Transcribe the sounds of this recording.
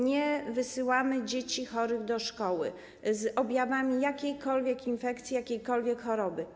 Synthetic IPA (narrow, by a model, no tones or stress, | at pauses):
ɲɛvɘsɘwamɘd͡ʑet͡ɕixɔɾɘɣd̪ɔʂkɔwɘ̰ | zɔbʲjavamʲijakʲejkɔlvʲjɛkinfɛkt̪sʲijakʲejkɔlvʲjɛkxɔɾɔbɘ